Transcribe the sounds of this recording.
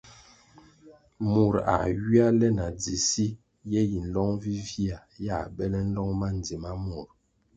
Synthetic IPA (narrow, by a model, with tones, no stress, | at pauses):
mu˨ɾa̰˨ɥi˦a˦lɛ˦na˨d͡zi˨si˦ | jɛ˦ji˨n̩˨˦lɔ˦ŋvi˦vi˦a˨ja˦˨bɛ˦lɛ˦n̩˦lɔ˦ŋma˦n˨d͡zi˨ma˦mu˨ɾ